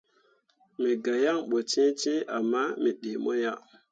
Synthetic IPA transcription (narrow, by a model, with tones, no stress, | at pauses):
mi˨ɡa˨ja˦ŋɓo˨t͡ʃĩ˦t͡ʃĩ˦a˨mːa˦mi˨ɗe˨mo˦ja˦